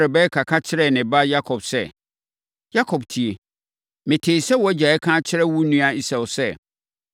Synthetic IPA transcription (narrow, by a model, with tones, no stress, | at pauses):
ɾɪ˨bɛ˦kʰa˨kʰa˦t͡ɕʰɪ˦ɾɛ˨nɪ̃˨ba˦ja˦kʰɔ˨b̥sɛ˦ | ja˦kʰɔ˨btʰi˨e˨ | mɪ̃˨tʰeː˨sɛ˦wɔ˨˦d͡ʑa˨ɛ˦kʰã˦t͡ɕʰɪ˦ɾɛ˦wu˦nũ˦a˦i˦sa˨wʊ˨sɛ˦